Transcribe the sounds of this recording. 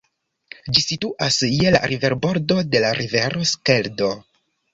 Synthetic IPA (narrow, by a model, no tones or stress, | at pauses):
d͡ʒisituʔasjela̰ɾive̞ɾbo̞ɾdo̞de̞laɾʔive̞ɾo̞ske̞ldo̞